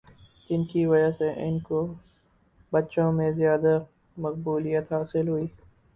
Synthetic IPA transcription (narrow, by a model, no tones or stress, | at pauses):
d͡ʒɪnkiʋɐd͡ʒaseʔɪnko | bɐtːʃõmẽzjaːd̪a | mɐq̚buːlijət̪ɦaːsɪlɦʊiː